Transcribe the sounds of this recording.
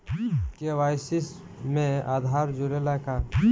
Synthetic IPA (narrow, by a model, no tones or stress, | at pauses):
keʋaːjsɪs | mẽa̰ːd̪ʱaːɾd͡ʒʊɾelaka